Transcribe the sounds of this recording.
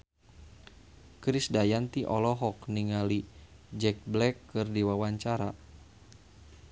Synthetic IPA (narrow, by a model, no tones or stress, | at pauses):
kɾisdajant̪iʔɔlɔɦɔk̚niŋali | d͡ʒɛk̚blɛkːɨrdiwawaɲt͡ʃaɾa